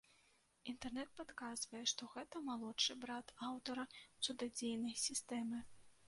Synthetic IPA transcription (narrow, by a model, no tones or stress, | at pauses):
int̪ɛrnɛt̪̚pat̪kazvɐjɛʂt̪ɔɣɛt̪ɐmalˠɔt͡ʂɨbɾat̪awt̪ɐɾɐwt̪sud̪ad͡zʲejnɐjsʲist̪ɛmɨ